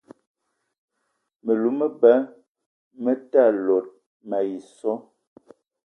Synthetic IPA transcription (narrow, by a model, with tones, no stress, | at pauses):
mə˨lu˨˦mə˦ba˦ | mə˦ta˦˨lo˨t̚ | ma˨ji˨sɔ˦